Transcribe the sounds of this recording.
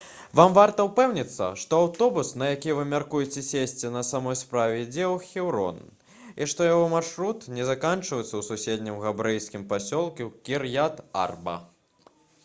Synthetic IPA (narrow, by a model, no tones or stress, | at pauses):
vamvart̪ɐwpɛwnʲit̪sːɐ̰ʂt̪ɔawt̪ɔbusnɐjakʲivɨmʲarkujɛt͡sʲɛsʲesʲt͡sʲɛnɐsamɔjspɾavʲɛd͡zʲɛwxʲɛwɾɔ̰n | iʂt̪ɔjaɣɔmarʂɾut̪nʲɛzakant͡ʂvɐjɛt̪sːɐwsusʲed̪ʲnʲimɣabɾɛjskʲimpasʲɔlˠkʲiwkʲirjat̪a̰rbɐ̰